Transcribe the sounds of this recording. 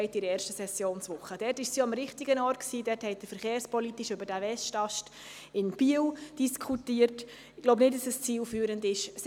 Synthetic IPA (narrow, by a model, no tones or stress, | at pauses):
ɪtɪɾəɛːɾʃtəsɛsjoːnsʋʊχəd̥ɛrtɪʃsiɑmɾɪχtɪɡənɔːɾtksiːdɛthɛɪt̚d̥əfəɾχeːɾspɔlitɪʃʏbəɾdæʋɛstɑʃt | ɪnb̥iːəld̥iskʰχutiːərt | loʊbnɪt̚d̥ɑsəst͡siːlfyːɾəndɪʃs